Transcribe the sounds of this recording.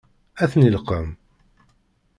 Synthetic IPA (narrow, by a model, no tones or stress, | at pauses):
æθnilqəm